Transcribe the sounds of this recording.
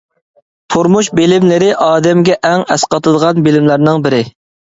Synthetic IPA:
pʰoɾmuʃbelɪmlɪɾɪʔɑːd̪ɛmɡʲɛʔɛŋɛsqɑt̪ɨd̪əʁɑnbɪlɪmlæɾnɪŋbɪɾɪ

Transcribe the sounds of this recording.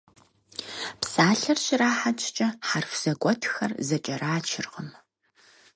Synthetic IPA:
psaːɬɐrɕɪraːħat͡ʃʼt͡ʃʼɐħarfz̥ɐɡʷʼɔtʰxɐ̰rzɐt͡ʃʼɐraːt͡ʃʰɪrʁəm

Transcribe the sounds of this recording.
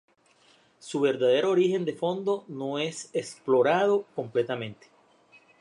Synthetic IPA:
suβe̞ɾðað̞e̞ɾoːɾixe̞nd̪e̞fo̞nd̪o̞no̞e̞sesplo̞ɾað̞o̞ko̞mple̞t̪amẽ̞nt̪e̥

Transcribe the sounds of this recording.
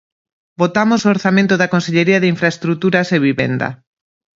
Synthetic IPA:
bot̪amosooɾθamẽnt̪ʊðɐkonseʎeɾiɐðeiɱfɾaest̪ɾut̪uɾɐseβiβḛnd̪ɐ̰

